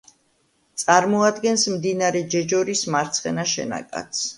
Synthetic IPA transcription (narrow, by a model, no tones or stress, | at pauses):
t̪sʼaɾmɔad̪ɡɛnsmd̪inaɾɛd͡ʒɛd͡ʒɔɾismaɾt̪sʰχɛ̰naʃɛ̰na̰kʼa̰t̪s